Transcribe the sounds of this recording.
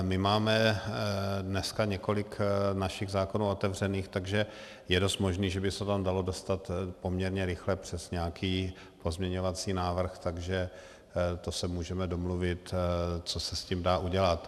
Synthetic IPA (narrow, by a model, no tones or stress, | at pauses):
mɪmaːmɛ | dnɛskaɲɛko̞lɪknaʃɪɣzaːkonuːo̞t̪ɛvr̝ɛniːxt̪aɡʒɛ | jɛdo̞st̪mo̞ʒniːʒɛbɪsɛt̪amdalo̞do̞st̪at̪po̞mɲɛɾɲɛɾɪxlɛpr̝̥ɛsɲɛakʰiː | po̞zmɲɛɲovat͡siːnaːvr̩xt̪aɡʒɛ | t̪o̞sɛmuːʒɛmɛdo̞mluvɪt̪t͡so̞sɛscimdaːʔuɟɛlat̪